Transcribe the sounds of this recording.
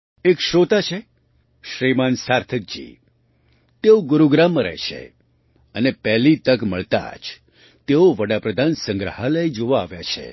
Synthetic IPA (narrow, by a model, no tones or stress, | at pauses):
ekʃɾot̪at͡ʃʰe | ʃɾimansaɾt̪ʰək̚d͡ʒḭ | t̪eoɡʊɾuɡɾamːəɾɛ̰ɦʃḛ | ənepɛɦlit̪əkməɭt̪a̰d͡ʒ | t̪eoʋəɽapɾəd̪ʱansə̃ŋɡɾəɦaləjd͡ʒoʋaːʋjat͡ʃʰḛ